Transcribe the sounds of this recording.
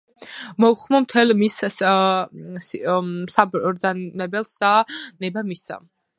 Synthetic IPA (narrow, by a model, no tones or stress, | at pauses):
mɔuχmɔmt̪ʰɛlmiss | ssabɾd̪zanɛbɛlˠsd̪anɛbamisa̰m